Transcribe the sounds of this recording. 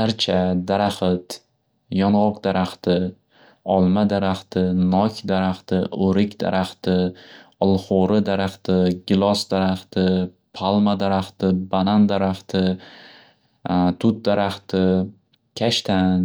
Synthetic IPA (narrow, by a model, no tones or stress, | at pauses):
aɾt͡ʃʰad̪aɾaχɪt̪ | jɒnʁɒqd̪aɾaχt̪ɪ | ɒlˠmad̪aɾaχt̪ʰɪnɒkʲd̪aɾaχt̪ɪʔoɾɪkʲd̪̥a̰ɾʔaχt̪ɪɒlˠχoɾɪd̪aɾaχt̪ɪɡʲɪlˠɒsd̪aɾaχt̪ɪ | pʰalˠmad̪aɾaχt̪ɪbanand̪aɾaχt̪ʰɪ | t̪ʰʊt̪̚d̪aɾaχt̪ɪ | kʲʰaʃt̪ʰa